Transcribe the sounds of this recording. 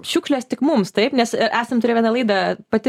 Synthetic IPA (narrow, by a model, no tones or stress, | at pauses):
ʃʲuːkʃʲlʲost̪ʲɪkmʊmst̪ɐɪpnʲɛsʔæːsɐmt̪ʊɾʲeːjʋʲɛnɑlˠɐɪd̪ɑpɐt̪ʲɪ